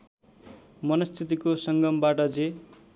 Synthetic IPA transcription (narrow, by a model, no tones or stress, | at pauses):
mʌnʌst̪ʰit̪ikosʌŋɡʌmbaʈʌd͡ze